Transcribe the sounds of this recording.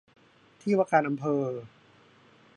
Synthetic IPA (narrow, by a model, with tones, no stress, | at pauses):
t̪ʰiː˥˩waː˥˩kaː˧nʔa˧mpʰɤː˧